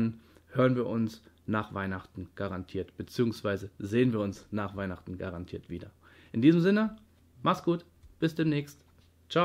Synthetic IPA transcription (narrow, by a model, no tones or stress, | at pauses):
nhøːʁənviːɐʔʊns | naːχv̥aɪnaχtn̩ɡ̥aʁantʰiːɐtb̥ət͡siːʊŋsv̥aɪzəzeːənviːɐʊnsnaːχv̥aɪnaχtn̩ɡa̰ʁantʰiːɐtv̥iːdɐ | ʔɪndiːzmzɪnə | maχsɡ̥uːt | b̥ɪsd̥eːmnɛːçst | t͡ʃa